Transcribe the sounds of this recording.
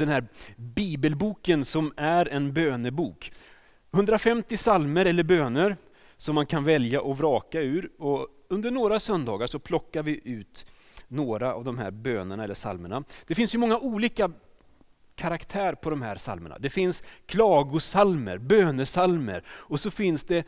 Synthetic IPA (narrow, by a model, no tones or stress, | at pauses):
d̪ɛnhæːɾbiːbəlbuːkənsɔmæɾɛnbøːnəbuːk | hɵnd̪ɾafɛmt̪ɪsalməɾɛlːəɾbøːnəɾ | sɔmːankʰanvɛljaʔɔvɾɑːkaʉ̟ːɾɔ | ɵnd̪əɳoːɾasœnd̪ɑːɡaʂɔpʰlɔkːaɾvɪʔʉ̟ːt̪ | noːɾa̰ːvd̪ɔmɦæ̰ːɾbøːnəɳaɛlːəʂa̰lməɳa̰d̪̥ɛfɪnsjɵmɔŋːaʔuːliːka | kʰaɾakt̪ʰæːɾpʰɔd̪ɔmhæ̰ːɾsa̰lmə̰ɳa̰d̪ɛfɪnskʰlɑːɡʊsalmə̰ɾbøːnəsalmə̰ɾɔsɔfɪnsd̪ɛ